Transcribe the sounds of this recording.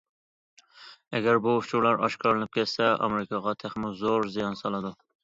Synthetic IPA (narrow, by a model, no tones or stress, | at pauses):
ɛɡʲɛɾbuʊt͡ʃʰuɾlˠɑɾɑ̰ʃkʰɑɾlɨnɪp̚kʲɛt̪sɛɑ̰meɾɪkʰɑʁɑt̪ʰæχmɪlzoɾzijɑnsɑlˠɨd̪u